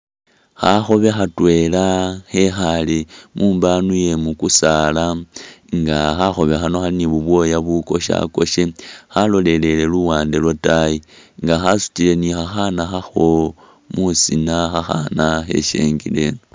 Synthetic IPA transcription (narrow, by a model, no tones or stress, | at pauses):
xaxo̞βe̞xatwe̞laxe̞xalimʔuːmbanuje̞mukusalaŋɡaxaxo̞βe̞xano̞xaliniβuβwo̞jaβuko̞ʃa̰ko̞ʃexalo̞le̞le̞le̞luwaːndelwotaji | ŋɡaxasu̥tile̞nixaxanaxaxo̞ | musinaxaxa̰naxe̞̰ʃe̞̰ːŋɡḭle